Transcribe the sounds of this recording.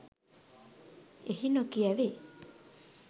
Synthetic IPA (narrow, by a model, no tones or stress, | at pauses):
ehinokiaβe